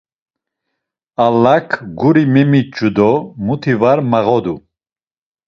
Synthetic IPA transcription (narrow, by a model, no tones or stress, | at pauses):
alːakʰɡuɾimɛmit͡ʃʰʼud̪ɔmut̪ʰivaɾmaʁɔd̪u